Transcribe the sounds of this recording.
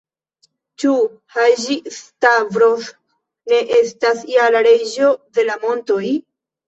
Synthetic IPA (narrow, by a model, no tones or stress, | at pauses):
t͡ʃu | haʒistavɾof | ne̞ʔe̞stasjalaɾed͡ʒo̞de̞lamo̞nto̞j